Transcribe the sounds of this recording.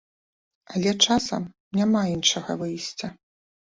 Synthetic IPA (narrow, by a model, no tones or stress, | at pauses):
ɐlʲɛt͡ʂasɐ̰m | nʲamainʂɐɣɐ̰vɨjsʲt͡sʲɐ